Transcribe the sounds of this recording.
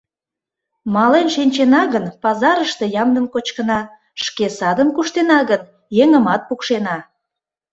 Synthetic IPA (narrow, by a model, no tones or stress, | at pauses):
mɑlenʃinʲt͡ɕenɑɣənpɑzɑɾəʃt̪e̽jɑmd̪əmkot͡ɕkənɑ | ʃkesɑd̪əmkuʃt̪enɑɣən | jeŋəmɑt̪̚pukʃenɑ